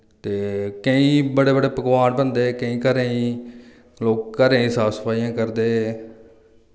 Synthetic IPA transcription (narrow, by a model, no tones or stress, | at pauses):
t̪eːkəĩːbəɽeːbəɽeːpəkʋaːnbənd̪eːkəĩːkəɾeĩː | loːkːəɾẽːĩːsaːsə̥pʰaːijãːkəɾd̪eː